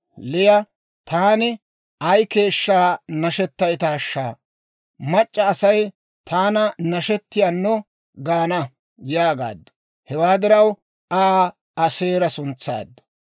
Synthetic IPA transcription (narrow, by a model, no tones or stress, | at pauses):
lɪjɐ | t̪aːnɪ | ɐjke̞ːʃːaːnɐʃɛt̪ːɐjt̪ɐːʃːaː | mɐt͡ʃʼːɐːsɐj | t̪ʰaːnɐnɐʃɛt̪ːɪjaːnːɔ | ɡaːnɐ | jaːɡa̰ːd̪ːɐ̥ | hɛwaːd̪ɪɾɐw | aː | ɐseːɾɐsʊnt͡sːa̰ːd̪ːɐ̥